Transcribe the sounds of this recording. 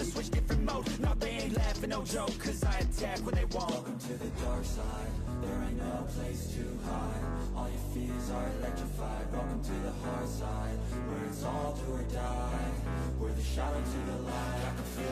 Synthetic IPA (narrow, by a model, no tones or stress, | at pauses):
ɨswɪt͡ʃd̥ɪfɹɨ̃nmoʊtnət̚b̥iɪ̃ŋlɛftɨ̃noʊd͡ʒoʊkkʰːʌzaɪɨ̃ntʰɛkwə̃nðeɪwɑ̃kɨ̃ŋtʰɨðɨdɑɹksaɪd̚ | ðə˞ɨnopʰl̥eɪstʰʉ | haɪ | ɔlˠjə˞fi | zə˞ɪlɛk̚tt͡ʃɹ̥ɨfaɪd̚ɹɔʊkɪ̃ŋtʰɨðəhɑɹsaɪd̚ | wə˞ɨtsɔlˠtʰuəda | ɪ | wə˞ðɨʃaɾoʊzʌðəlaɪaɪkfi